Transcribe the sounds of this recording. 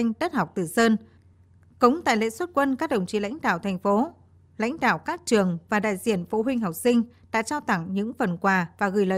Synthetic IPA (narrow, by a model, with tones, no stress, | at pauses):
ŋ̟t̪ə˦˥t̚hwk͡p̚t̪ɨ˨˩səː˧n | kʊ˨˦ŋ͡mt̪a̰ː˧˨jlḛ˧˥swə˦˥t̚kwə˧nkaː˦˥k̚ɗə˨˩wŋ͡mt͡ɕḭ˧˨la̰˧˥jŋ̟ɗa̰ː˧˨wt̪ʰɛ˨˩ŋ̟fo˨˦ | la̰˧˥jŋ̟ɗa̰ː˧˨wkaː˦˥k̚t͡ɕɨ˨˩əŋvaː˨˩ɗa̰ː˧˨jzḭ˧˩ənfo˨˦ɦwï˧ŋ̟ɦɔ˨˩wk͡p̚sï˧ŋ̟ɗa̰ː˧˥t͡ɕaː˧wt̪a˧˩ŋɲɨ̰˧˥ŋfə˨˩nkwaː˨˩vaː˨˩ɣɨ˨˧˩jlə˨˧˨